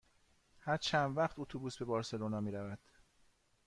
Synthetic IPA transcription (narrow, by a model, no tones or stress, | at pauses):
hæɾt͡ʃʰænd̪væχt̪ot̪ʰobuːsbe̞bɒːɾse̞lonɒːmiːɾævæd̪̥